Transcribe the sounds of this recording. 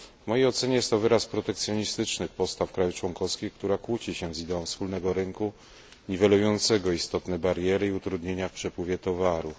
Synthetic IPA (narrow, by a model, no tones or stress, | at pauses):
vmɔjejɔt̪sɛɲɛjɛst̪ːɔvɘɾaspɾɔt̪ɛkt̪sʲjɔɲist̪ɘt͡ʂnɘxpɔst̪afkɾajuft͡ʂwɔŋkɔfskʲixkt̪uɾakwut͡ɕiɕɛzid̪ɛɔ̃w̃fspulnɛɡɔɾɘŋku | ɲivɛlujɔnt̪sɛɡɔist̪ɔt̪nɛbaɾjɛɾɘiut̪ɾud̪ɲeɲafpʂɛpwɘvʲjɛt̪ɔvaɾu